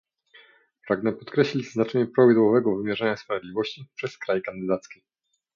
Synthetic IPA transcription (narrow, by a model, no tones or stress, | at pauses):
pɾaɡnɛpɔt̪kɾɛɕlʲid͡ʑznat͡ʂɛɲɛpɾɔvʲid̪wɔvɛɡɔvɘmʲjɛʐaɲaspɾavʲed̪ʲivɔɕt͡ɕipʂɛskɾajkand̪ɘd̪at̪skʲi